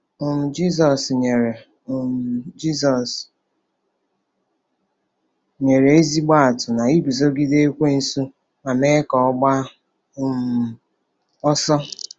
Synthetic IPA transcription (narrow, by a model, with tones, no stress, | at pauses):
o˨m̩˨d͡ʒi˦z̬ɔ˨sɲe˨ɾe˨ | d͡ʒi˦sɔ˨s | ɲe˨ɾe˨e˦zi˦ɡ͡ba˦a˨tʊ˨na˨i˦bi˨zo˦ɡi˦de˦e˦kʷe˦n̩˨su˦ | ma˨me˦kɔ˨ɔ˦ɡ͡ba˦ | m̩˨ | ɔ˦sɔ˦